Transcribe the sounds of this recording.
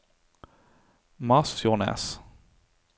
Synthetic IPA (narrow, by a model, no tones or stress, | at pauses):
masfjɔnɛ̰s